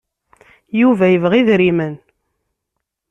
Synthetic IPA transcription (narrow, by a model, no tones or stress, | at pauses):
juvæjəvʁiðɾimən